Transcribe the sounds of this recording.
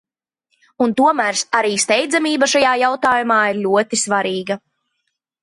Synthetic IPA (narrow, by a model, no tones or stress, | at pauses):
unt̪uɔmæːɾsaɾiːst̪ɛjd̪zamiːbaʃajaːjawt̪aːjumaːiɾlʲuɔt̪isvaɾiːɡɐ